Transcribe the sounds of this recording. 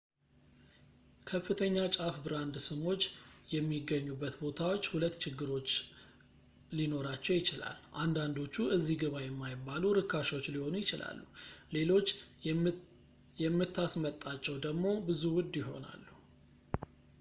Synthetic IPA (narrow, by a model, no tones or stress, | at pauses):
kʰəfːɨt̪ʰəɲːat͡ʃʼafbɨɾand̪sɨmo̞t͡ʃːjɛmːiɡːəɲːubːət̪bo̞t̪ʰawo̞t͡ʃːhulət̪ːt͡ʃʰɪɡːɨɾo̞t͡ʃː | lino̞ɾat͡ʃːɛwjɪt͡ʃɪla̰lʔand̪and̪o̞t͡ʃːuʔɨzːiɡɨβajɛmːajɪbːaluɾɨkʰːaʃo̞t͡ʃːliho̞nujɪt͡ʃɪlʔa̰lːule̞lo̞t͡ʃː | jɛmːɨt̪ʰːasmət̪ʼːat͡ʃːɛwd̪əɡmo̞bɨzuwʊd̪jɪɦo̞̰na̰lːu